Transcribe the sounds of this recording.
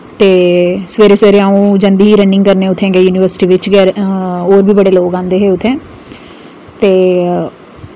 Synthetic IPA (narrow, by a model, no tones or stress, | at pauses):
t̪eːsəʋeːɾeːsʋeːɾeãːũːd͡ʒə̃nd̪iːɦiːɾə̃ɳɖɪŋɡkəɾneːʊt̪ʰːẽːɡɛːjuːnɪːʋəɾsɪ̥ʈiːʋɪt͡ʃɡɛːɾoːɾbiːbəɽeːloːkãːnd̪eːɦeːʊt̪ʰːɛ̃ː | t̪eː